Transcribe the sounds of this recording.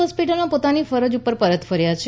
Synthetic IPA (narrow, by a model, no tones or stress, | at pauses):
ɦɔspiʈəlmãpot̪anifəɾəd͡ʒupːəɾpəɾət̪fəɾjat͡ʃʰ